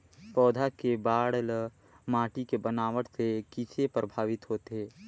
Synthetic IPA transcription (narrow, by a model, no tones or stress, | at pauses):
pɔːd̪ʱakebaːɽl | maːʈikebənaːʋəɽsekɪt͡ʃʰepɾəbʱaːʋɪt̪ɦoːt̪eɦɛː